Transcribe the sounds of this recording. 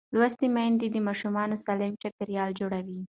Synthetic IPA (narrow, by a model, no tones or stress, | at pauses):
lwast̪imand̪id̪əmɑʃumɑnosalɪmt͡ʃakəɾjɑld͡ʒoɽawi